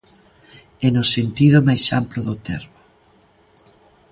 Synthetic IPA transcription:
ɛnosent̪iðʊmajʃamploðot̪ɛ̰ɾmʊ

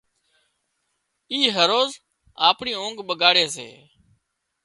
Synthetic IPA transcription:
iːɦəɾoːz | aːpɳiːõːŋɡɓəɡaːɽeːsḛː

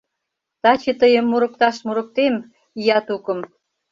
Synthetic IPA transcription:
t̪ɑt͡ɕet̪əjəmːuɾə̆k̚t̪ɑʃmuɾə̆k̚t̪em | ijɑt̪ukə̆m

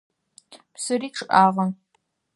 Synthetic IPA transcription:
psɨriːʈ͡ʂʰɨʔaːʁɐn

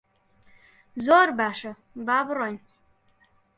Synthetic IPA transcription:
zoːrbaːʂɐ | baːbroj

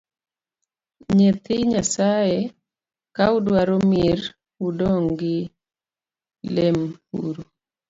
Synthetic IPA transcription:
ɲet̪ɪɲasaje | kaudwaɾomiɾ | udɔŋɡɪ | lemṵɾu

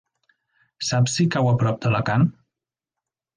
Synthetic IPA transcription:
sapsikawəpɾɔp̚d̪ələkan

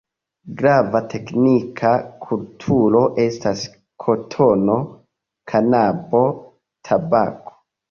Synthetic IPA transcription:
ɡɾavatʰe̞knikʰakʰultʰuɾo̞ʔe̞stas | kʰo̞tʰono̞ | kʰanabo̞ | tʰaba̰ko̥

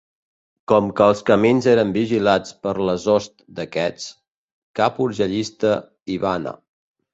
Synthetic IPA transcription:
kɔmkəːlˠskəminzeɾəmbiʒilat͡spəɾləzɔst̪̚d̪əkɛt͡s | kapuɾʒəʎist̪ə | iβanə̰

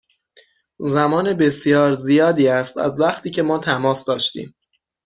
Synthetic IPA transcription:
zæmɒːne̞be̞sijɒːɾzijɒːd̪iːæst̪æ̰zvæχt̪ʰiːcʰe̞mɒːt̪ʰæmɒːsd̪ɒːʃt̪ḭːm

